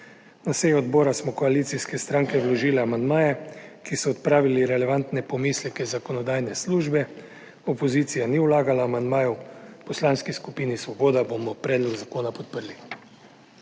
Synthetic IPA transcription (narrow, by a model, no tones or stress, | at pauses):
nasejuɔd̪bɔːɾasmɔkɔaliːt̪siskɛst̪ɾaŋkɛwlɔʒiːlɛamand̪maːjɛkisɔːt̪pɾaːʋiliɾɛlɛʋant̪nɛpɔmiːslɛkɛzakɔnɔd̪aːjnɛsluːʒbɛ | ɔpɔziːt̪sijaniulaːɡalaːmand̪maːjɛwpɔslanskiskupiːnisʋɔbɔːd̪abomɔpɾɛːd̪lɔɡzakoːnapɔt̪̚pəɾli